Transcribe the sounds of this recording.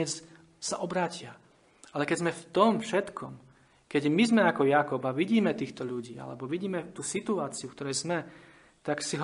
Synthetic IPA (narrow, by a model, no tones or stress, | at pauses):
ɛt͡s | saʔɔbɾaːcɪa | ʔalɛkɛɟzmɛft̪ɔmfʃɛt̪kʰɔm | kɛɟmizmɛakɔjakɔbaʋiɟiːmɛt̪iːxt̪ɔʎuɟiːa̰lɛ̰bɔʋiɟiːmɛt̪uːsit̪uaːt͡siukt̪ɔɾɛjzmɛ | t̪aksiɦ